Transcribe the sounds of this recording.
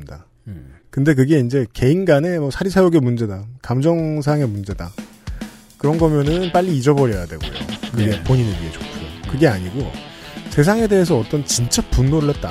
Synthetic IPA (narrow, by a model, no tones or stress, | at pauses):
mida | kɯnde̞k̬ɯɡe̞ind͡ʑe̞ke̞inɡane̞mʌsʰaɾisʰajoɡemund͡ʑe̞dakamd͡ʑʌŋsʰaaŋe̞mund͡ʑe̞da | kɯɾʌnɡʌmjʌnɯnp͈aʎːiːd͡ʑʌbʌɾjʌjadwe̞̰ɡo̰jo̰kɯɡepoɲinɯnɥiet͡ɕokʰujo̰kɯɡe̞aɲiɡosʰe̞s̬ʰaŋe̞de̞ɦes̬ʰʌːt͈ʌnt͡ɕint͡ɕ͈apunːoɾɯɭht̚t͈a